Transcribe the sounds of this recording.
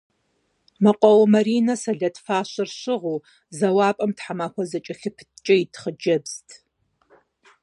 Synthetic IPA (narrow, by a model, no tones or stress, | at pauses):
mɐqʷʼɔwmɐɾiːnɐsɐɮɐtfaːɕɨrɕɪʁuː | zɐwɑːpʼɐmtħamaːxʷɔzɐt͡ʃʼɐɬɨpʰt͡ʃʼɐjitʰχəd͡ʒɐbztʰ